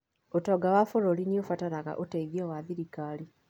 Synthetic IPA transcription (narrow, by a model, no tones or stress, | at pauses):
otoɡawafoɾoliniofatanaɣa̰ʔotaiðjowaðiɾikaːli